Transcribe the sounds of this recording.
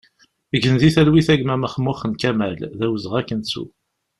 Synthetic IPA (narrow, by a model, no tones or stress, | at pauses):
əɡənðiθælwiθæɡmæməχəmːʊχənkæmælðæwəzəʁækːənsṵ